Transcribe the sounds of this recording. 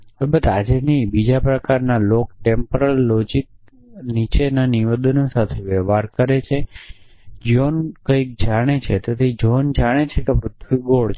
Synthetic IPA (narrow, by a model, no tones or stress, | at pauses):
əbət̪ad͡ʒenibid͡ʒapɾəkaɾnalok̚ʈempəɾəlːod͡ʒik̚ | nit͡ʃenaniʋed̪ənosat̪ʰeʋɛʋaɾkəɾet͡ʃʰe | d͡ʒionkəik̚d͡ʒaɽ̃et͡ʃʰet̪ot̪id͡ʒond͡ʒaɽ̃et͡ʃʰekepɾʊt̪ʰʋiɡoɭt͡ʃ